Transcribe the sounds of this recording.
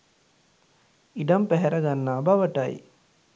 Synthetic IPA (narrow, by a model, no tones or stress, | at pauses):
iɖɐmpæɦɛɾɐɡanːaːbaʋəʈɐj